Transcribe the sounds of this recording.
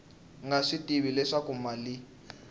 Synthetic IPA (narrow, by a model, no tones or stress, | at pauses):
ŋɡaʂitʼiβilɛʂakumali